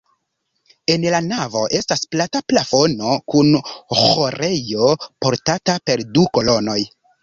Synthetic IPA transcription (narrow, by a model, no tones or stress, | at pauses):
e̞nlanavo̞̰ʔe̞stasplataplafo̞no̞kunxhoɾe̞jo̞po̞ɾtatape̞ɾduko̞lo̞no̞j